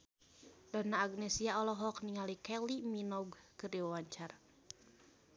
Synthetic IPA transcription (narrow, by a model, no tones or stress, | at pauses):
danaːɡnɛsiaɔlɔɦɔkniŋalikɛliminɔɡkɨriɔwaɲt͡ʃar